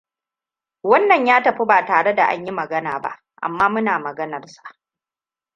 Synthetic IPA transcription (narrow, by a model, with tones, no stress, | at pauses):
wɐ˦nːɐ˨ɲjaː˦tɐ˨ɸi˦baː˨taː˨ɽe˦da˨ʔa̰˦ɲji˦mɐ˨ɡɐ˦naː˨ba̰˦ʔ | ʔa̰˨mːaː˦mʊ˦naː˨mɐ˨ɡɐ˦nɐ˨rsḁ˨ʔ